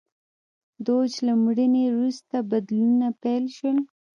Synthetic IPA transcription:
d̪od͡ʒlamɽənewɾust̪abad̪lnunapɛlʃəl

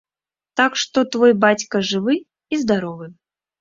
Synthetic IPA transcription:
t̪akʂt̪ɔt̪vɔjbat͡sʲkɐʐɨvɨ | izd̪aɾɔvɨ

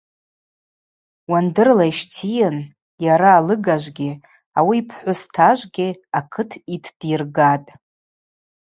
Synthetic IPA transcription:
wandɨrlaiʃt͡sʰijan | jaɾaːlɨɡaʒʷɡʲɪ | awiːpʰħʷʊstʰaʒʷɡʲɪakʰɨtʰitʰd̥irɡatʼ

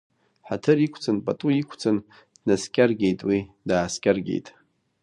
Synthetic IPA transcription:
ħatʰɨrikʷʰt͡sʰʼanpʼatʼuikʷʰt͡sʰan | d̥naskʲʼarɡʲejtʼwi | daːskʲʼarɡʲḛjtʼ

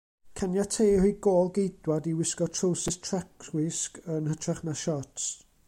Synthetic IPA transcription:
kʰanjatʰeːhujɡoːlˠɡejdwadiwɪskɔtʰrowsɪstʰrɛkʰwɪskənhətʰraχnaʃɔts

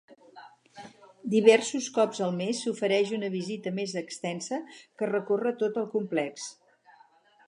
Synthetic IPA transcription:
d̪iβ̞ɛrsuskɔbzəlˠmesːufəɾɛʃunəβizit̪əmezəkst̪ɛnsəkərəkorət̪ot̪əlˠkumplɛks

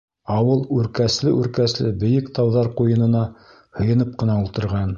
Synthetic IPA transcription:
ɑwɤlˠʉɾkæslɘʔʉɾkæslɘbɘ̆jɘkt̪ɑwðɑɾqujɤ̆nɤ̆nɑ | hɤ̆jɤ̆nɤp̚qɤ̆nɑulˠt̪ɤ̆ɾʁɑn

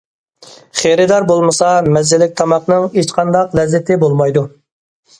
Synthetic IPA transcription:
χeɾɪd̪ɑɾbolˠmɨsɑmɛzːɪlɪk̚ʲt̪ʰɑmɑqnɨŋet͡ʃqʰɑnd̪ɑqlɛzːɪt̪ʰɪbolˠmɑjd̪u

